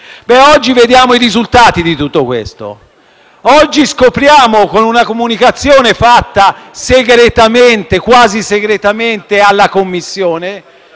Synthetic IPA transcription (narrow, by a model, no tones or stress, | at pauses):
bɛɔd͡ʒːived̪jaːmoiɾizult̪aːt̪id̪it̪ut̪ːokwḛst̪o̰ | ɔd͡ʒːiskopɾjaːmokonunakomunikat̪sːjoːnefat̪ːaseɡɾet̪ament̪ekwaːziseɡɾet̪ament̪ealːakomːisːjoːne